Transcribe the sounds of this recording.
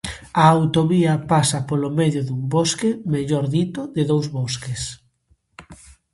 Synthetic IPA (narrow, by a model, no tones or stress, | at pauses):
ɐawt̪oβiɐpasɐpolomeðjoðumboskemeʎɔɾðit̪ʊðɪðowzβoskes